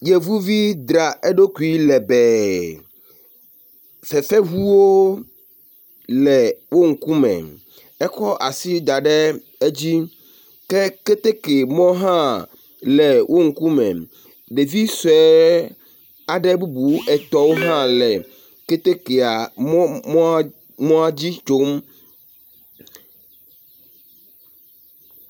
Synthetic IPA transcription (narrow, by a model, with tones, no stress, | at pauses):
je˨vu˦vi˦d̪ɾa˨e˦ɖo˦ku˨˦i˦lɛ˨bɛ˨ | fɛ˨fɛ˦ɦu˦wo˦ | lɛ˨wo˦ŋ̩˨ku˦mɛ̰̃˨ | ɛ˦xɔ˦ʔa˨si˦d̪a˨ɖɛ˦ | e˦d͡ʑi˦ | kɛ˦ke˦t̪e˦ke˨mɔ̃˦ɦã˦ | lɛ˨wʔo˦ŋ̩˨ku˦mɛ̃˨ | ɖe˨vi˦sɛ˨˦ | a˨ɖɛ˦bu˦bu˨˦ʔɛ˨t̪ɔ˦wo˦ɦã˦lɛ˨ | ke˦t̪e˦ke˨a˨mɔ˦mɔ˦ | mɔ̃˦a˦d͡ʑi˦t͡ʃo˨˦m